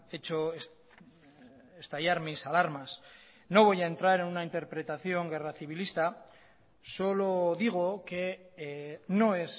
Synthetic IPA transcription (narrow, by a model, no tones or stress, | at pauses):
e̞t͡ʃoes | est̪ajaɾmisalaɾmas | no̞β̞o̞jae̞nt̪ɾaɾe̞nunaint̪e̞ɾpɾe̞t̪aθjo̞ŋɡe̞raθiβ̞ilist̪a | so̞loðiɣ̞oke̞ | no̞e̞s